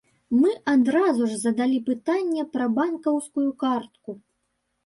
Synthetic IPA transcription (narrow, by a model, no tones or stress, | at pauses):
mɨʔad̪ɾazuʐzɐd̪alʲipɨt̪anʲːɛpɾɐbankɐwskujukart̪̚ku